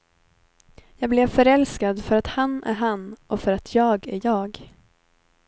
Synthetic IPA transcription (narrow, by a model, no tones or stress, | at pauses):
jɑːɡ̚blɛvfœɾɛlskad̪fœɾat̪hanːæ̰ɾɦanːʔɔfœɾat̪ʰjɑːɡæɾjɑːɡ